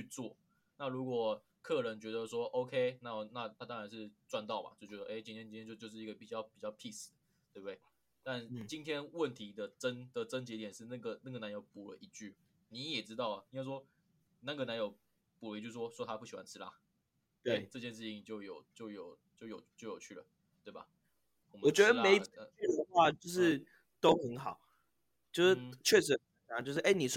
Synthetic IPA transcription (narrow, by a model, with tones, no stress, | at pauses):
t͡ɕʰy˥˧t͡swɔ˥˩ | na˥˩ɻu˧˥kwɔ˨˩ | kʰɤ˥˩ɻə˧˦nt͡ɕɥɛ˧˥d̪ə˧swɔ˥ʔo˥ʊkʰe˥ɪna˥˩na˥˧t̪ʰa˥˩t̪ɑ˥ŋa˧˥nʂ̬ɻ̩˥˩t͡swa˥˧nt̪ɑ˥˩ʊma̰˩t͡ɕjo˥˩t͡ɕɥɛ˧˥d̪ə˧ʔe˥ɪt͡ɕĩ˥nt̪ʰjɛ˥nt͡ɕĩ˥jt͡ɕo˥˧ʊt͡ɕjʊʂ̬̩˥˩i˧˥ɡə˩pi˨˩t͡ɕjɑ˥˩ʊpi˨˩t͡ɕjɑ˥˧ʊpʰi˥˩s̩˨˩˦ | t̪we˥˩bu˧t̪e˥˩ɪ | t̪a˥˧n˩t͡ɕi˥˦nt̪ʰjɛ˥nwə˥˨˩nt̪ʰi˧˥˦d̪ə˨ʈ͡ʂə˦˥nd̪ə˨ʈ͡ʂə˦˥nt͡ɕɛ˧˥t̪jnʂɻ̩˥˧na˥˩ɡə˨na˥˩ɡə˩na˧˦njo˨˧˩ʊpu˨˩lə̰˦ʔi˧t͡ɕy˥˩ | ni˧˦jɛ˨˩ʈ͡ʂɻ̩˥t̪ɑ˥˩ʊə˩ni˨˩jɑ˥˩ʊʂ̬wɔ˥ | na˥˩ɡə˨˩na˧˦njo˨˩˦ʊ | pu˨˩we˧˥t͡ɕo˥˩ʊʂwɔ˦˥swɔ˥t̪ʰa˦˥pu˥ɕi˨˩wa˦nʈ͡ʂʰɻ̩˥la̰˥ | t̪we˥˩ɪʈ͡ʂɤ˥˧t͡ɕjɛ˥˧nʂɻ̩˥˩t͡ɕʰi˨˩ŋt͡ɕjo˥˩ʊjo˨˩ʊt͡ɕjo˥˩ʊjo˨˩ʊ | t͡ɕjo˥˩ʊjo˨˩ʊt͡ɕjo˥˩jo˨˩ʊt͡ɕʰy˥˩lə̰˩ | t̪we˥˩ɪba̰˩ | wɔ˨˩mə˨ɔ˨˩t͡ɕɥɛ˧˥˦d̪ə˧˥lame˨˦ɪi˨˧t͡ɕy˥˩ə˨xwa˥˧t͡ɕjo˥˧ʊʂɻ̩˥˨ | t̪o˥ʊxə˧˦nxɑ˨˩˦ʊ | t͡ɕjo˥˧ʊʂ̩˥t͡ɕʰɥɛ˥˩ʂɻ̩˧˥˨t͡ɕjo˥˧ʂɻ̩˥˩ʔe˥ɪni˨˩s